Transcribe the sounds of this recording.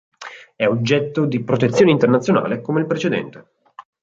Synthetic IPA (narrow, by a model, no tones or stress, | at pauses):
ɛod͡ʒːɛt̪ːod̪ipɾot̪et̪sːjoːneint̪ernat̪sjona̰ːlekomeilpɾet͡ʃed̪ɛ̰nt̪e̥